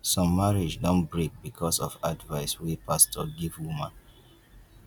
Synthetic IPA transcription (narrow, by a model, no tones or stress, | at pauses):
sɔ̃mːaɹid͡ʒdɔ̃nbɹek̚bikʰɔsɔvadvaɪswipastʰɔɡivwumãn